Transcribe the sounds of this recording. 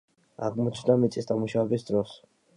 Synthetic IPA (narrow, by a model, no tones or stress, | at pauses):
a̰ʁmɔt͡ʃʰnamit̪sʼisd̪amuʃavɛbisd̪ɾɔs